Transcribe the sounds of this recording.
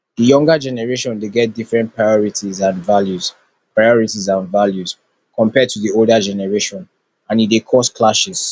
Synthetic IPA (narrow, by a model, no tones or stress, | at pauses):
dəjɔ̃ŋɡəd͡ʒɛnɛɹeʃɔ̃ndeɡɛt̚difɹɛ̃npʰɹajɔɹitizãnvaljuz | pɹajɔɹitizãnvaljuz̥ | kʰɔ̃mpɛd̚tʰuðioldəd͡ʒɛnɛɹeʃɔ̃n | ãnidekʰɔskʰlaʃɛs